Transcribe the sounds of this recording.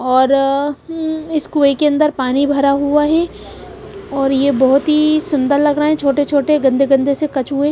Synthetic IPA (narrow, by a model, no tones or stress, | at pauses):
ɔːɾ | ɪskuekeɐ̃nd̪əɾpaːnibʱɐɾaɦuaɦɛː | ɔːɾjebɔɦʊt̪ɦisʊ̃nd̪əɾlɐɡɾəɦeɛ̃t͡ʃʰoːʈet͡ʃʰoːʈeɡɐ̃nd̪ʱeɡɐ̃nd̪ʱesekɐt͡ʃɦʊe